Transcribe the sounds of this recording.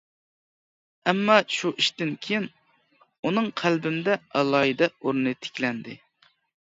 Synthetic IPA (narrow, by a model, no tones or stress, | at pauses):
ɛmːɑʃuʔiʃt̪ɪnkʲʰejin | unɨŋqʰælbɪmd̪ɛɑlˠɑːjid̪ɛuɾnɨt̪ʰe̥kʲlɛnd̪ɪ̰